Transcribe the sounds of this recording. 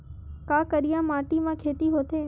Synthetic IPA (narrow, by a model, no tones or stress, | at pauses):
kãkəɾijãmaːʈimãkʰeːt̪iɦot̪ʰeː